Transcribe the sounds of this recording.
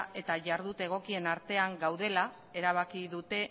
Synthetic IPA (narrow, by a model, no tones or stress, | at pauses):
e̞t̪aʝaɾðut̪eɣ̞o̞kie̞naɾt̪e̞aŋɡawð̞e̞la | e̞ɾaβ̞akiðut̪e̞